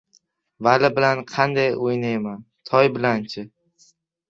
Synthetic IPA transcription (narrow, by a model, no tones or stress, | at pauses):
valɪbɪlanqʰɑnd̪ajojnaman | t̪ʰɒjbɪlant͡ʃʰɪ